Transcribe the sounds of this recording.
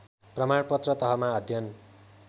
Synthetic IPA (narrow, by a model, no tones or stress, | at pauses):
prʌmaɽpʌt̪rʌt̪ʌɦʌmaʌd̪ʱjʌn